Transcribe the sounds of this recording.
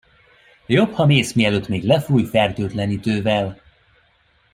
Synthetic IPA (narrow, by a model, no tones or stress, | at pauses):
jo̞phɒmeːsmiɛløːt̪meːɡlɛfuːjfɛrd̪øːd̪lɛnid̪øːvɛl